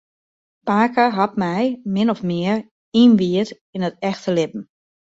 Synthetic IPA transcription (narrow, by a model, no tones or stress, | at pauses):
paːkəɦat̚mɛjmɪnɔfmɪəɹ | inʋiət | inətɛxtəlɪb̚m̩